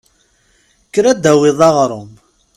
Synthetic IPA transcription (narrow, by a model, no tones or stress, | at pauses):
kːɾæd̪æwɪðˤɑʁɾˤʊm